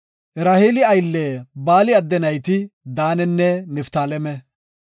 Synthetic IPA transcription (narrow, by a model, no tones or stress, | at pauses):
ʔɪɾaːhiːlɪɐjlːeːbaːlɪɐd̪ːɛnɐjt̪ɪd̪aːnɛnːɛnɛft̪aːlɛmɛ